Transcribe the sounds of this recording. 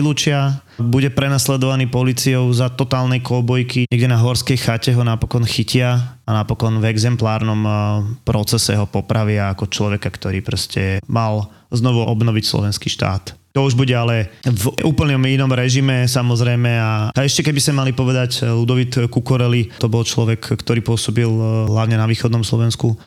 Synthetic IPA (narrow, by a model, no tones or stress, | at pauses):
ilut͡ʃɪa | buɟɛpɾɛnaslɛd̪ɔʋanipɔliːt͡siɔʊzat̪ɔt̪aːlnɛjkɔbɔjkiɲɛɡɟɛnaɦɔɾskɛjxacɛɦɔnapɔkɔnxicɪaanapɔkɔnvɛɡzɛmplaːɾnɔmpɾɔt͡sɛsɛ̰ɦɔpɔpɾʔaʋɪaːkɔt͡ʃlɔʋɛkakt̪ɔɾḭːpɾɔscɛmal | znɔʋuʔɔbnɔʋicslɔ̰ʋɛnskiːʃt̪a̰ːt̪t̪ɔuʒbuɟɛalɛvuːpl̩ɲɔminɔmɾɛʒimɛsamɔzɾɛjmɛaaɛʃcɛkɛbisɛmalipɔʋɛd̪aclud̪ɔʋit̪kukɔɾɛlit̪ɔbɔlt͡ʃlɔʋɛkkt̪ɔɾiːpʊɔsɔbilɦlaʊɲɛnaʋiːxɔd̪nɔmslɔ̰ʋɛnsku